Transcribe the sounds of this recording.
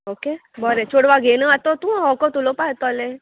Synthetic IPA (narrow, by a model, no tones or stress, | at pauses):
okebɔɾet͡ʃʰoɽʋaɡenəat̪ot̪ũɦɔkot̪ulopat̪ɔle